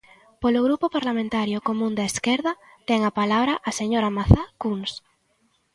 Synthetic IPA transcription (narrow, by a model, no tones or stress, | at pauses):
poloɣ̞ɾupopaɾlamẽnt̪aɾjokomũnd̪aeskeɾða | t̪ɛŋapalaβɾaʔaseɲoɾamaθakuns